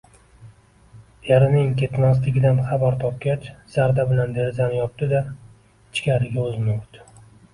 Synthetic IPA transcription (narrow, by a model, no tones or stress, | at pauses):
jaɾɪnɪŋkʲʰet̪nas̬t̪ɪɡʲɪd̪anχabaɾt̪ʰɒp̚kʲat͡ʃz̥aɾd̪abɪland̪eɾzanjɒp̚t̪ɪd̪a | t͡ʃʰkʲʰaɾɪɡʲaɵzmʊqt̪ɪ̥